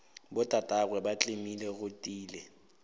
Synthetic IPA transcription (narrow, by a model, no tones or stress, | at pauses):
bʊtʼatʼaɣwɛbat͡ɬʼemileɣʊtʼiːlɛ